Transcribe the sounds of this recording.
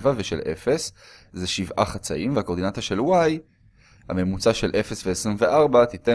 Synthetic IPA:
vave̞ʃe̞̰lʔe̞̰fe̞s | zeʃivʔa̰χat͡sa̰imveakod̪inat̪oʃe̞lwaj | ha̰me̞mut͡saʃelʔe̞fe̞sveesʁimveʔaʁbat̪ite

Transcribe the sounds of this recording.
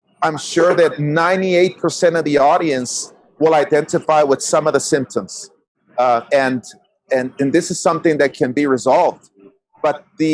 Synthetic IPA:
ãɪ̃mʃʊɹðɨtⁿnãɪ̃nieɪt̚pʰə˞sɛ̃ɾ̃ʌvðiɔɾiɨ̃ns | wɪlˠaɪdɛ̃ntɨfaɪwəð̥sʌ̃mʌvðɨsɪ̃mp̚tʰə̃mz̥ | ɨ̃n | ɨ̃nɨ̃nðɪsɨz̥sʌ̃mθɪ̃ŋðɨt̚kʰɨ̃nbiɹɨzɑlˠvd | b̥ʌt̪̚ðɨ

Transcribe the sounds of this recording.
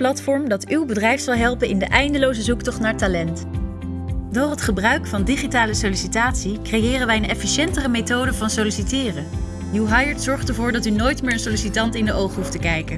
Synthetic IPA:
plɑtfɔɹmdɑtywbədrɛjfsɑlˠɦɛlˠpənɪndəʔɛjndəlowzəzuktɔχtnaːɹtalɛnt | dʊːrɦətχəbrœɥkfɑndiχitaːləsowlisitaːtsikrejɪːrənʋɛjənɛfiʃɛntərəmejtowdəvɑnsolisitɪːrə | juɦajəɹtsɔɹχtəɹvʊːɹdɑtynojtmɪːɹənsolisitɑntɪndəʔowχəɦuftəkɛjkən

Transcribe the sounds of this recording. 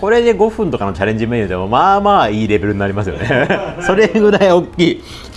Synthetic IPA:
ko̞ɾe̞d̪e̞ɡo̞ɸɯ̟̃nt̪o̞kano̞t͡ɕaɾẽ̞ɲ̟d͡ʑimẽɲ̃ĩot̪emomaːmaːiːɾe̞be̞ɾɯ̟ɲ̟inaɾʲimasɨjo̞̰ne̞so̞ɾe̞ɡɯ̟ɾaio̞kʲːiː

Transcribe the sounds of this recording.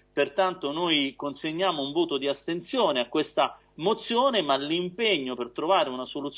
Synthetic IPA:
pert̪ant̪onojkonseɲːaːmouɱvoːt̪od̪iast̪ent̪sjoːneakːwest̪a | mot̪sːjoːnemalːimpeɲːopert̪ɾovaːɾeunasolut̪s

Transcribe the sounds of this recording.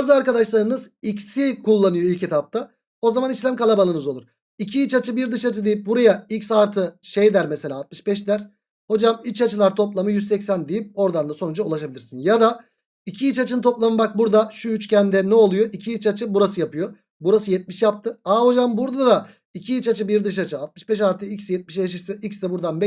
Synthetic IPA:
bazɯaɾkad̪aʃlˠaɾɯnɯzicsikulˠːanɯjoilʲcet̪ʰap̚t̪ʰa | o̞zamanit͡ʃlʲæmkalˠabalˠɯnɯzo̞lˠuɾ̥ | icʰiit͡ʃat͡ʃʰɯbiɾd̪ɯʃat͡ʃʰɯd̪ejip̚buɾajaicsaɾt̪ʰɯʃejd̪æɾmese̞lʲaːt̪̚mɯʃbɛʃ̬d̪æɾ | ho̞d͡ʒamit͡ʃat͡ʃʰɯlˠaɾt̪ʰo̞plˠamɯjyzsɛcsænd̪ijip̚o̞ɾd̪and̪aso̞nud͡ʒaulˠaʃabilʲiɾsinjad̪a | icʰiit͡ʃat͡ʃʰɯnɯt̪ʰo̞plˠamɯbak̚buɾd̪aʃuyt͡ʃcænd̪ɛnɛo̞lˠujo̞ʔicʰiːt͡ʃat͡ʃʰɯbuɾasɯjapɯjo | buɾas̬ɯjɛt̪̚miʃjap̚t̪ʰɯaho̞d͡ʒambuɾd̪ad̪a | icʰiit͡ʃat͡ʃʰɯbiɾd̪ɯʃ̬at͡ʃʰɯat̪̚mɯʃbɛʃ̬aɾt̪ʰɯicsjɛt̪̚miʃ̬bɛʃ̬asɯicsd̪ɛbuɾd̪anbɛ

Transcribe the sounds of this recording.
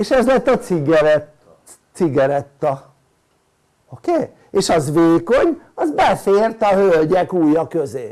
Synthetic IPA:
eːʃɛzlɛt̪ːɒsiɡɛɾɛt̪ | siɡɛɾɛt̪ːɒ | okeː | eːʃɒzʋeːko̞ɲɒzbɛfeːrt̪ɒhølɟɛkuːjɒkø̞zeː

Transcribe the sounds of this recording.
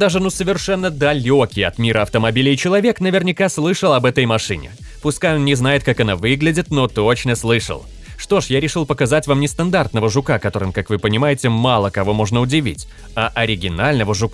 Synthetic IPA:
d̪aʐɨnusəvʲɪrʂɛnːəd̪ɐlʲokʲɪjɐ̰t̪mʲiɾʔəɐft̪əmɐbʲilʲɪt͡ɕɪlˠɐvʲe̞knəvʲɪrnʲɪkaslˠɨʂəlˠɐbɛt̪əjmɐʂɨnʲɪ̰ | pʊskajonnʲɪznajɪt̪kakɐnavɨɡlʲɪdʲɪt̪no̞t̪ot͡ɕnəslˠɨʂə̰lˠ | ʂt̪o̞ʂjaɾʲɪʂɨlˠpəkɐzatʲvamnʲɪst̪ɐnd̪art̪nəvəʐʊkakɐt̪o̞ɾɨmkakvɨpənʲɪmajɪtʲɪmalˠəkɐvo̞mo̞ʐnəʊdʲɪvʲḭtʲ | aʔɐɾʲɪɡʲɪnalʲnəvəʐʊk

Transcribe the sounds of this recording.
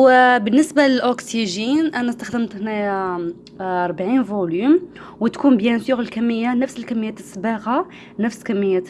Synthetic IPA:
bənːəsbaləlʔoksiʒinʔænæst̪əxd̪əmt̪næj | ɑɾˤbʕinvulym | wət̪kunbjænsjuɣəlkæmːəjːanəfsəlkæmːəjːæt̪əsːbæɣa | nəfskæmːəjːæ

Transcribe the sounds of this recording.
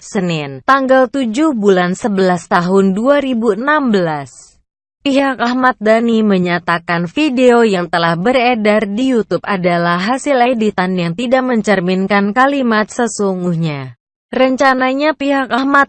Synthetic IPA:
sənɪnt̪aŋɡalt̪ud͡ʒuhbulansəbəlast̪aɦʊnduaɾibuənambəlas | piɦak̚ahmat̪̚d̪animəɲat̪akanfideojaŋt̪əlahbəredardijut̪up̚adalahɦasɪledit̪anjaŋt̪idaʔ̚məɲt͡ʃərminkankalimat̪̚səsuŋɡuhɲa | rəɲt͡ʃanaɲapiɦak̚ahmat̪̚

